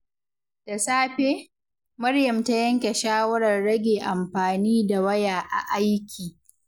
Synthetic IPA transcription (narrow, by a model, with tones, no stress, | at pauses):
d̥a˨saː˦ɸeː˦ | mɐ˦ɾjɐ˨mta˦jɐ˦ŋkʲe˨ʃaː˦wɐ˦ɾɐ˨rɽɐ˦ɡʲeː˨ʔa˨mɸaː˨niː˦da˨wɐ˦jaː˨ʔa̰˨ʔa˦jkʲʰiː˨